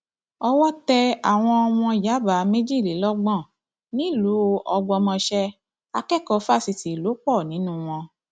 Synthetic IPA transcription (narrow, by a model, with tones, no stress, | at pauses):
ɔ˧wɔ˦tɛ˧a˨w̃ɔ̃˧w̃ɔ̃˧˨ja˨˦ba˨˦mẽ˦d͡ʒi˦˨li˨˦lɔ˦ɡ͡bɔ̃˦˨ | nĩ˦˨lu˨˦ɔ˧ɡ͡bɔ˧mɔ̃˧ʃɛ˧ | a˧kɛ˦˨kɔ˧fa˦˨si˧ti˨lo˨˦k͡pɔ˦˨nĩ˨˦nũ˦w̃ɔ̃˧